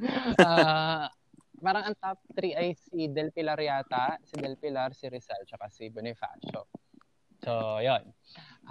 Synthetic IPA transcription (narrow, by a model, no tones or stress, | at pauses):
a | paːɾɐŋɐŋt̪ap̚t̪ɾiʔɐjsid̪ɛlpɪlɐɾjaːt̪ɐsɪd̪ɛlpɪlɐɾsɪɾɪsɐlt͡ʃɐkasibɛnɛfa̰t͡ʃo̰ | sojonʔ